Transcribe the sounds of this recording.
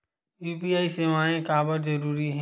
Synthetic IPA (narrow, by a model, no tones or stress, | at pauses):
juːpiːaːiseːmaːẽkaːbəɾzɐɾuːɾiɦɛ̃